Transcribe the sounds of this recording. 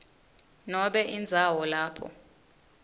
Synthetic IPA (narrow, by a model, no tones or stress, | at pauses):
nɔɓɛʔind͡zʱawɔlaːpʰɔ̰